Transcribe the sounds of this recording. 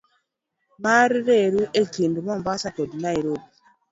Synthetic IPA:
maɾiɾeɾuʔekindumɔmbasakodnaiɾobi

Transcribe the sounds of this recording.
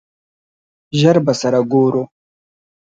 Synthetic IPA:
ʒaɾbasaɾaɡoːɾo

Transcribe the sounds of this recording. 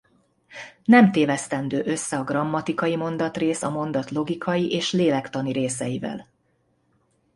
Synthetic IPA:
nɛmt̪eːvɛst̪ɛnd̪øːʔø̞sːɛɒɡrɒmːɒt̪ikɒjimo̞nd̪ɒt̪reːsɒmo̞nd̪ɒt̪lo̞ɡikʰɒjiʔeːʃleːlɛkt̪ɒniɾeːsɛjivɛ̰l

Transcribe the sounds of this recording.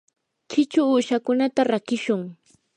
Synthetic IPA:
t͡ʃɪt͡ʃʊːʃakʊnat̪aɾakɪʃʊŋ

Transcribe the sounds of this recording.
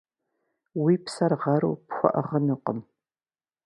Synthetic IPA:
wiːpʰsɐrʁɐɾṵːpxʷɔ̰ʔɐ̰ʁɐnɨqəm

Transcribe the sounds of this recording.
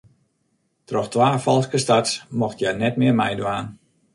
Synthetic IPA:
trɔxtʋaːfɔlˠskəstatmɔxtjanɛtmɪərmɛjdʋaːn

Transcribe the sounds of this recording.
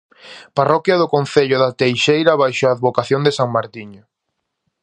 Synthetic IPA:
parɔkjɐðʊkon̟θeʎʊðat̪ejʃejɾɐβajʃoaːðβokaθjoŋd̪esaŋmaɾt̪iɲo

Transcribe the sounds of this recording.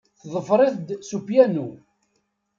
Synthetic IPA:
θðˤəfɾˤɪθd̪supjænu

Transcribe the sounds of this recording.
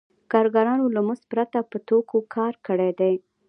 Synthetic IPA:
kɑɾɡɑɾɑnolamuspɾat̪apət̪okokʰɑɾkəɽed̪e

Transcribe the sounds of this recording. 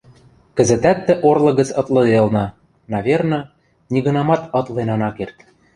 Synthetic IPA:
kɘ̆zɘ̆t̪æt̪ːɘ̆ʔorlɤ̆ɣə̆t͡sɤ̆t̪lˠɤ̆d̪elˠnɤ̆ | nɑβʲernɤ̆ | nʲiɣɤ̆nɑmɑt̪ɤ̆t̪lˠenɑnɑkert̪

